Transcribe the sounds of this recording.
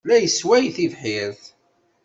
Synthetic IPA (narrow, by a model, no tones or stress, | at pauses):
læjəswæjθivħɪɾθ